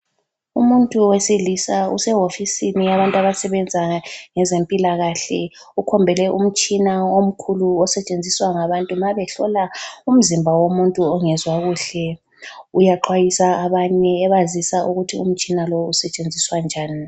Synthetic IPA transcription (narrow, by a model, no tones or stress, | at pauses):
umuntʼuwesilisaṵsɛɦofisinijaβantʼaβasɛβɛnd͡zʱaŋɛzempʼilaɣaɬɛ̰ukʰɔmbʱɛlɛʔum̩t͡ʃʼinaom̩kʰuluɔsɛt͡ʃʼend͡zʱiswaŋaβantʼumaβɛɬɔ̰laum̩zimbʱawomuntʼuɔŋɛzwaɣuːɬɛ | ujaǃʰwajisaːβaɲɛːβazisaʔuɣutʰiṵm̩t͡ʃʼinalousɛt͡ʃʼend͡zʱiswand͡ʒʱaːni